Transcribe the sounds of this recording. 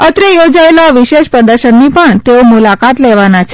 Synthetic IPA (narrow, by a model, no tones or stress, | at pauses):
ət̪ɾejod͡ʒaelaʋiʃeʃpɾəd̪əɾʃənːipəɳt̪eomulakat̪leʋanat͡ʃʰe̥